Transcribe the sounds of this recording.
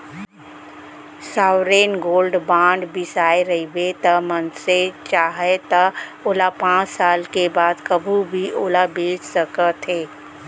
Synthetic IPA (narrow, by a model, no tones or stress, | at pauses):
saːwɾeːnɡoːlɖbãːɳɖbɪsaːeɾəibet̪əmənset͡ʃaːɦet̪əoːlapãːt͡ʃsaːlkebaːd̪kəbʱubʱiʔoːlabeːt͡ʃsəkət̪ɦeː